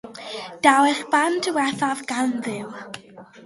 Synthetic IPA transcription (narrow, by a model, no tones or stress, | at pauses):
d̥awɛχb̥andʰəwɛθavɡanðɪw